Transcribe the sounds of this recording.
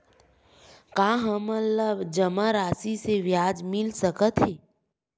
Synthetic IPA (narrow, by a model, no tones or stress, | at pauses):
kaːɦəmət̪ləbd͡ʒəmaɾaːsiseʋjaːd͡ʒmɪlsəkət̪ɦeː